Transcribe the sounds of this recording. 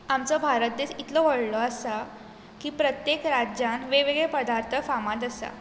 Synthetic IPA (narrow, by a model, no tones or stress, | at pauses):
amt͡səbʱaɾət̪̚d̪eɕit̪ləʋəɽlɔəsa | kiːpɾət̪jekɾad͡ʑãnʋeʋeɡɭepəd̪aɾt̪ʰəfamãt̪əsa̰